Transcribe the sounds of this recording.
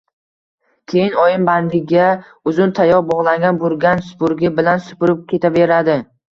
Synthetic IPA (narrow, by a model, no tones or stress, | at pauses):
kʲʰe̞jɪnɒjɪnband̪ɪɡʲa | ʊzʊnt̪ʰajɒɾbɒʁlˠaŋɡʲanbolˠɡʲansʊ̥pʊɾɡʲɪbɪlansʊ̥pʊɾɪp̚kʲʰe̞t̪ʰave̞ɾad̪ɪ